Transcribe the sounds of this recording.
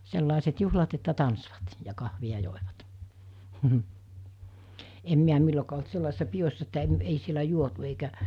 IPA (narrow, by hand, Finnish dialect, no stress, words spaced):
selːɑˑeset juhlɑt etːæ tɑnsʋɑt jɑ kɑhʋiɑ joˑeʋɑt em miæ milːokɑː olt selːɑˑesisːɑ pijosːɑ etːæ em ei sielæ juotu eikæ